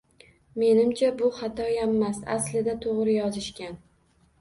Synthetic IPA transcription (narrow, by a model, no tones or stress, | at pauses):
me̞nɪmt͡ʃʰabʊχat̪ʰɒjamːasa̰slɪd̪at̪ʰoʁɾɪjɒzɪʃkʲan